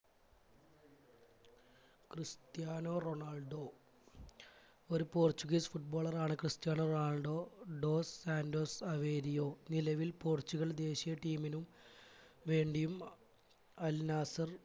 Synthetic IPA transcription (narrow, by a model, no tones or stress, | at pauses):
krɨst̪jaːnoːro̞ɳaːlɖo̞ː | o̞ɾupoːrt͡ɕuɣisfuʈ̚bo̞ːɭɐraːɳɨkrɨst̪jaːnoroɳaːɭɖo̞ːɖo̞ːsːaːndo̞ːsɐʋeːɾijo̞ːnilɐʋilpo̞ːrt͡ɕːuɣɐɭd̪e̞ːɕijɐʈiːminum | ʋe̞ːɳɖijum | ɐlnaːsɐr